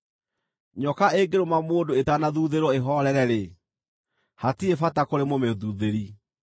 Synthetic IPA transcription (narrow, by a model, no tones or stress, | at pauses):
ɲɔkaeɡeɾomamoːdoetanaðuðeɾwɔeɦɔɾɛɾɛɾe | hatiefatakoɾemomeðuðeɾi